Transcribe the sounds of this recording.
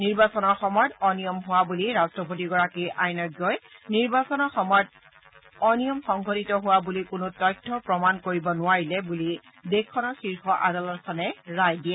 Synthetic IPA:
niɹbasɔnɔɹxɔmɔjdɔnijɔmɦʊwabuliɹastɹɔpotiɡɔɹakiʔajnɔɡɔjniɹbasɔnɔxɔmɔjd | ɔnijɔmxɔŋɡʱotitɔɦʊwabulikʊnʊtɔjtʰːɔpɹɔmankoɹibɔnʊaɹilɛbuli | dekʰːɔnɔxiɹxʰɔʔadalɔt̚kʰanɛɹajdiɛ

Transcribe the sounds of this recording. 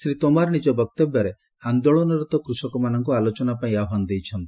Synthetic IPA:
sɾit̪omaɾɔnid͡ʒɔbɔk̚t̪ɔbjɔɾe | and̪oɭɔnɔɾɔt̪ɔkɾusɔkɔmanɔŋkualot͡ʃɔnapaĩaɦand̪ejt͡ʃʰɔnt̪i̥

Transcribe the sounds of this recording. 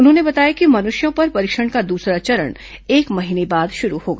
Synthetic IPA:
ʊnɦõnebɐt̪aːjakimɐnʊʃjõpɐɾpɐɾiːkʃəɽ̃kad̪uːsɾat͡ʃɐɾə̰ɽ̃ | eːkmɐɦiːnebaːd̪ʃʊɾuhoːɡa

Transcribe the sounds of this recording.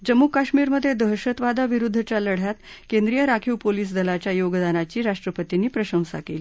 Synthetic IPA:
d͡ʑəmːukaɕmiːɾməd̪ʱjed̪əɦɕət̪ʋad̪aʋiɾud̪ʱːət͡ɕjaləɽ̤jat̪ | kend̪ɾijəɾakʰiwpoliːs̬d̪əlat͡ɕjajoɡd̪anat͡ɕiːɾaʂʈɾəpət̪iniːpɾəɕə̃w̃sa̰keliː

